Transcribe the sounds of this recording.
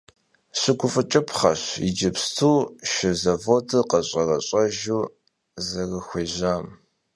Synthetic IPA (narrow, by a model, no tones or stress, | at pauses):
ɕɪɡʷʊfʼɨt͡ʃʼɐpʰχɐ̰ɕɪ̰d͡ʒɪpstʰuːʃɪzɐvotʰɨqɐɕʼɐrɐɕʼɐʒuː | zɐrɐxʷeːʑaːm